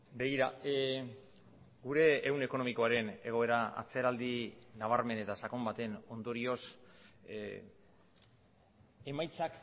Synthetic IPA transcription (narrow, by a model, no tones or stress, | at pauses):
be̞ɣiɾa | ɡuɾe̞ːwne̞ko̞no̞miko̞aɾe̞ne̞ɣ̞o̞e̞ɾaa̰t͡se̞ɾald̪inaβ̞aɾme̞ne̞t̪asako̞mbat̪e̞no̞nd̪o̞ɾio̞s | e̞majt͡sak